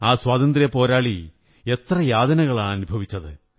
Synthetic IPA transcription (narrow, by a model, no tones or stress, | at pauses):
aːswaːt̪ɐnd̪rijɐpo̞ːɾaːɭi | e̞t̪rɐjaːd̪ɐnɐɣɐɭaːɐnubʱɐʋit͡ɕːɐðɨ